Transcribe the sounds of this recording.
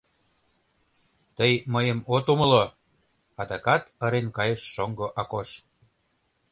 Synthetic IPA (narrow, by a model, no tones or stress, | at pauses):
t̪əjməjəmot̪umə̆lo | ɑd̪ɑkɑt̪ə̆ɾenkɑjeʃːoŋɡoʔɑkoʃ